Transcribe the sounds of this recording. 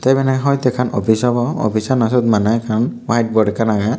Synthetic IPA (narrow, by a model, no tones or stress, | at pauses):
t̪ajbɛnɛkaɦɔjt̪ɛkʰanɔ̰pʰisɔbɔɔ̰pʰisanasɔt̪̚manɛkʰanwajt̚bɔɖɛkanaɡa